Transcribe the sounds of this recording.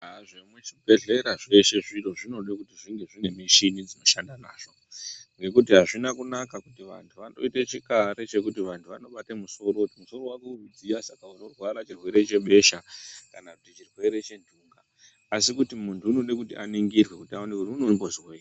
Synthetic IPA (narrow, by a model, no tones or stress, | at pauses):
aʐemwet͡ʃibʱe̞ɮe̞ɾaʐe̞ʃe̞ʐiro̞ʐino̞ɗakutiʐiŋɡe̞ʐinemiʃinid͡zino̞ʃandana̰ːʐo̞ | ŋɡe̞kut̬iɦaʐinakunakakutiʋa̰ntʰuʋano̞̰itet͡ʃikaɾe̞t͡ʃe̞kutiʋantʰuʋano̞ɓatemuso̞ɾoutimuso̞ɾowakuʋid͡ziasakauno̞rwaɾat͡ʃirwe̞ɾe̞t͡ʃe̞ɓe̞ʃakanakutit͡ʃirwe̞ɾe̞t͡ʃe̞ndʱuːŋɡaː | sikutimuntʰuːno̞ɗekutḭʔa̰niŋɡirwe̞kutiaonekutiunombozwe